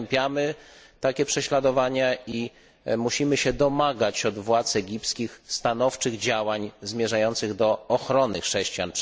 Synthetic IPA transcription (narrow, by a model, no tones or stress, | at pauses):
mpʲjamɘ | t̪akʲɛpʂɛɕlad̪ɔvaɲai | muɕimɘɕɛd̪ɔmaɡat͡ɕɔd̪vwat̪sɛɡʲipskʲixst̪anɔft͡ʂɘɣd͡ʑawaɲzmʲjɛʐajɔnt̪sɘɣd̪ɔːxɾɔnɘxʂɛɕt͡ɕijan